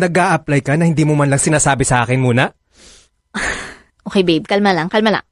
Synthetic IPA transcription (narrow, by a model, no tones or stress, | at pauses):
nɐɡaːʔɐplajkɐnɐhɪnd̪iːmomɐnlɐŋsɪnaːsaːbɪsɐʔaːkɪnmuːnɐ | ʔokejbejb̚kɐlmalɐŋkɐlmala̰ŋ